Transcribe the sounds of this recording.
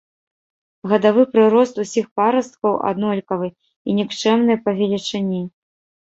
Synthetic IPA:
ɣɐd̪avɨpɾɨɾɔst̪usʲixpaɾɐst̪̚kɐwʔa̰d̪nɔlʲkɐvɨ | inʲikt͡ʂɛmnɨjɐpɐvʲɛlʲit͡ʂɨnʲi

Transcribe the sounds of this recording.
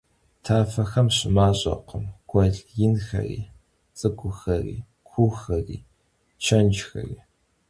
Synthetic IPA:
tʰaːfɐxɐmɕʼɪmaːɕʼɐ̰qəmɡ̥ʷʰʼɔɮjɪnxɐ̰rḭː | t͡sʼɨɡʷʼʊxɐrḭː | kʷʰuxɐrḭː | t͡ʃʰɐnd͡ʒxɐ̰riː

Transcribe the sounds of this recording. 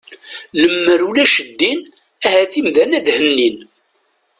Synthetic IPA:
ləmːəɾulæʃəd̪ːin | æhæθimðænæðhənːin

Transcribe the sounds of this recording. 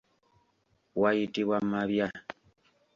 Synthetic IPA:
waitiβwamaβja

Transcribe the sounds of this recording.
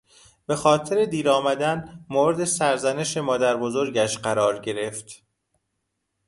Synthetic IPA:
b̥e̞xɒːt̪ʰeɾe̞d̪iːɾɒːmæd̪ænmoːɾed̪e̞sæɾzæne̞ʃe̞mɒːd̪æɾbo̞zo̞ɾɟæʃɢæɾɒːɾɟe̞ɾe̞ft̪

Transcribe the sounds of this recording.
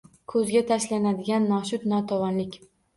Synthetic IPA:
kʰɵzɡʲat̪ʰaʃlanad̪ɪɡʲanːɒʃʊt̪nɒt̪ʰɒwɒnlɪkʲ

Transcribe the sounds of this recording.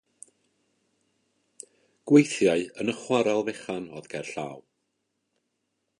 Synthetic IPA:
ɡ̥wejθjaɨənəχwaɾalˠvɛχanɔðɡɛrɬa̰ːw

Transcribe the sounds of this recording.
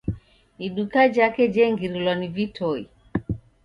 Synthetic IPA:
iɗukad͡ʒakɛd͡ʒɛŋɡiɾilwanivitʰɔi

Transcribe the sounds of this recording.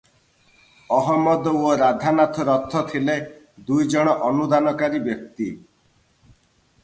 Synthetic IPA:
ɔɦɔmɔd̪oɾad̪ʱanat̪ʰɔɾɔt̪ʰːɔt̪ʰile | d̪ujd͡ʒɔɽ̃ɔʔɔnud̪anɔkaɾibjɔk̚t̪i

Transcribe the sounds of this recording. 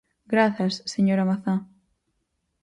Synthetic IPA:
ɡɾaθɐsːeɲoɾamaθa

